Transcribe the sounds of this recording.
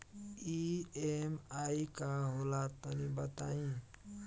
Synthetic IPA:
iemaikaɦolat̪ːənibət̪a̰ĩ

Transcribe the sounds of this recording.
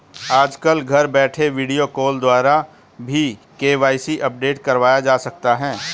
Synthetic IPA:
aːd͡ʒkəlɡʱɐɾbɛːʈʰeʋiːɖijokoːld̪waːɾa | bʱikeːʋaːɪsiʔɐp̚ɖeːʈkɐɾʋaːjad͡ʒaːsɐk̚t̪aɦɛ̃ː

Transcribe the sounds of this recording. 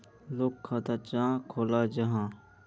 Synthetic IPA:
lokʰːaːt̪at͡ʃãːkʰoːlaːd͡ʒəɦãː

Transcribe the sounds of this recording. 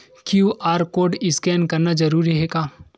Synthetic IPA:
kjuʔaːɾkoːɾɖɪskɛːnkɐɾnad͡ʒɐɾuːɾiɦɛɡaː

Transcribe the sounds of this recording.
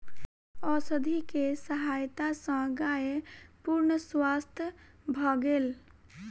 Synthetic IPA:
ɔsəd̪ʱikesəɦajt̪asə̃ɡajepuɾnəswast̪ʰjə | bʱɔɡeːl

